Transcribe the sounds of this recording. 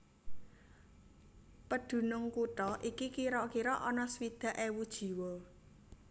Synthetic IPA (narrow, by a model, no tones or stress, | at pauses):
pəɖ̪̥ṳnʊŋkuʈɔʔikikiɾɔʔkiɾɔʔɔnɔswid̪̥ä̤ʔewud̥ʒ̥i̤wo